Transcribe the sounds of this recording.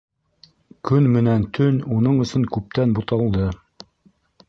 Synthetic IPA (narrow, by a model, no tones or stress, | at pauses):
kɵnmɘ̆nænt̪ʰɵnunɤɴɵ̆sɵŋkʉp̚t̪ænbut̪ɑlˠd̪ɤ